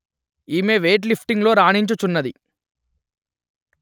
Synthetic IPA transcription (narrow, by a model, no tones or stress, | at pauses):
iːmeːʋeːʈ̬lipʰʈiŋɡlo̞ːɾaːɳiɲt͡ʃut͡ʃunːɐd̪ḭ